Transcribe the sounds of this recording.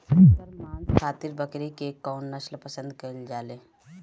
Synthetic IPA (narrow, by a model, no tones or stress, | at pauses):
aːnkʰaːt̪iɾbəkɾikekːɔːnːɐʃlpəsə̃nd̪̚kɐld͡ʒaːleː